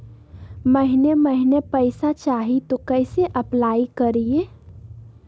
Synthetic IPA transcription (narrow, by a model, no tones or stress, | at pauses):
məɦɪneməɦɪnepəɪsat͡ʃaːɦit̪okəɪseʔɐplaːikəɾie